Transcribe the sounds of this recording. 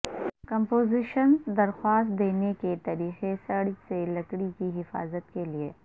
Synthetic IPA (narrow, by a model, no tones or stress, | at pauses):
kɐ̃mpoːzɪʃənd̪ɐɾxwaːst̪̚d̪eːneket̪ɐɾiːxesɐɽd͡ʒselɐkɽikiɦɪfa̰ːzət̪kelie